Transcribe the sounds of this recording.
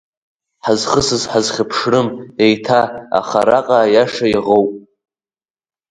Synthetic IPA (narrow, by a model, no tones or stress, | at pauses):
ħazχəsɨzħazχʲapʰʂrɨmdejtʰaa̰χaɾaqʼajaʂajiʁowpʼ